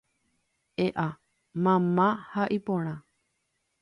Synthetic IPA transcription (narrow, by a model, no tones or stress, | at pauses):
eʔa | mãmãhaʔipõɾ̃ã